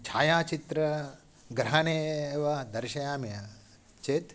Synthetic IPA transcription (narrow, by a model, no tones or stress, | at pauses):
t͡ʃʰaːjaːt͡ʃit̪ɾɐ | ɡɾɐɦɐneːʋɐd̪ɐɾʃɐjaːmjɐ | t͡ʃeːt̪